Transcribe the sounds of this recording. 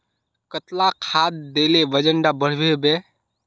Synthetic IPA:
kət̪lakʰad̪d̪elebəd͡ʒəɳɖabəɽ̤bebe

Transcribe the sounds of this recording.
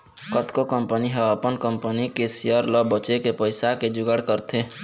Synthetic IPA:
kət̪kokəmpəniɦɛəpənkəmpənikesejəɾlɔbət͡ʃekepəɪsaked͡ʒʊɡəɽkəɾt̪ʰe

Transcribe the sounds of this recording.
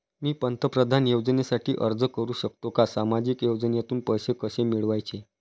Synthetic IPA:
miːpənt̪əpɾəd̪ʱanjowd͡znesaʈʰiːʔəɾd͡zəkəɾuːɕək̚t̪okasamad͡ʑiːkjowd͡ʑənjat̪uːnpəjɕekəsemiɭʋajt͡ɕe

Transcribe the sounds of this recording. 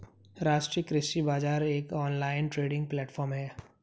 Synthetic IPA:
ɾaːʃʈɾijəkɾɪsʈibaːd͡ʒaːɾeːkɔːnlaːɪnʈɾeːɖɪ̃ŋɡ̚plɛːʈfʰɔːɾmɦɛː

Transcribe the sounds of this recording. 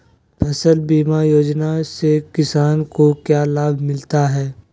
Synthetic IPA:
pʰɛsəlbiːmajoːd͡ʒnasekɪsaːnkokjaːlaːbʱmɪlt̪aɦɛː

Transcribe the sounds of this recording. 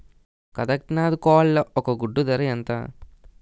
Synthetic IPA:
kɐd̪ɐk̚ʈnaːd̪kɔːllɐɔkɐɡuɖːud̪ɐɾɐjɐnt̪a̰

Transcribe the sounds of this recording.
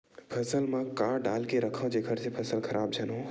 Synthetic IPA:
pʰɐsəlmãkaːɖaːlkeɾəkʰə̃d͡ʒeɡʰʱəɾsepʰɐsəlkʰəɾʔaːb̚d͡ʒʱɐnõː

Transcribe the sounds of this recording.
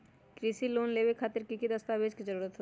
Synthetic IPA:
kɾisiloːnleːbekʰaːt̪əɾkikid̪əst̪abed͡ʒkid͡ʒəɾuːɾət̪ɦoe

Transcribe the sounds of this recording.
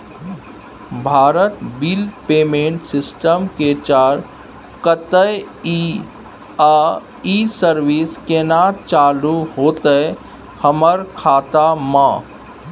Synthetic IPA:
bʱaːɾət̪bilpeːmẽːɳʈsɪsʈəmket͡ʃaːɾ | kət̪əji | a | isəɾʋiskenaːt͡ʃaːluɦoːt̪əe | həməɾkʰaːt̪amãː

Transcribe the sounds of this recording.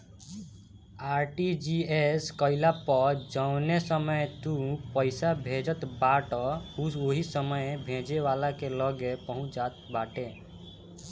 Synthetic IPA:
aɾʈid͡ʒieskʌɪlapɔɾd͡ʒɔʊ̃nesəməjt̪ũpəɪsabʱẽd͡ʒʌt̪baʈɔusoɦisəməjbʱẽd͡ʒewalakelʌɡepɔɦũt͡ʃd͡ʒat̪baʈe

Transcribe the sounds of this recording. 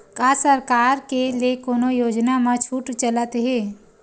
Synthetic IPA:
kaːsəɾkaːɾkeliekoːnojoːd͡ʒnamãt͡ʃʰuʈt͡ʃələt̪ɦɛ̃ː

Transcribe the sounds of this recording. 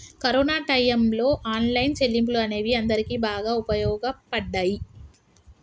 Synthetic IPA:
kɐɾɔːnaːʈɐjɐmlo̞ːʔaːnlɐjnt͡ʃelːimp̬uluɐne̞ːʋiɐnd̪ɐɾikiːbaːɡaːupɐjɔːɡɐpɐɖːaːji

